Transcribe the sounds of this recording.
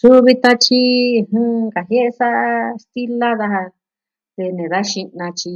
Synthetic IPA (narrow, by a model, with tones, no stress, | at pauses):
su˦βi˧t̪a˦t͡ʃi˦˧hɨ̃˦˧ka˨ɦje˦ʔe˧sa˦ʔst̪i˦la˦ða˧ha˧ | ðe˧nẽ˨ða˦ʃi˧nã˧t͡ʃi˧